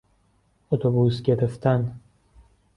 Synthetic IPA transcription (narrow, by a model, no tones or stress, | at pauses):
ot̪ʰobuːsɟe̞ɾeft̪ʰæn